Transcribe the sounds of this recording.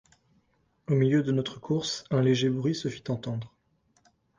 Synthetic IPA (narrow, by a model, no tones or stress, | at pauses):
omiljød̪ənɔt̪χəkʰuʁsɛ̃leʒebʁɥisəfi̥t̪ɑ̃t̪ɑ̃d̪ʁ